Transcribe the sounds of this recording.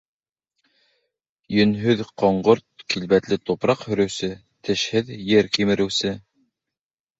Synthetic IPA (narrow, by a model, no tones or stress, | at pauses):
jɵ̆nɦɵðqoɴɢoɾt̪̚kilbæt̪lɘt̪upɾɑqhɵ̆ɾɵ̆wsɘ | t̪ɘ̆ʃhɘðjɘɾkimɘ̆ɾɘ̆wsɘ